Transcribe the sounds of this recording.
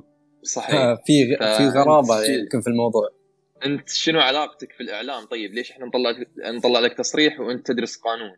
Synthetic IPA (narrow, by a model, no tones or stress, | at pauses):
sˤɑħiafiɣfiɣɑɾˤɑːbamkɪnfilmɑwðˤuːʕ | ʔɪnt̪ʃɪnuʕalɑːqt̪akfilʔɪʕlaːmt̪ˤɑjːɪbleːʃʔɪħnant̪ˤɑlːɑʕlnt̪ˤɑlːɑʕlak̚t̪ɑsˤɾiːħwʔɪnt̪̚t̪ːɪd̪ɾʊsqɑːnuːn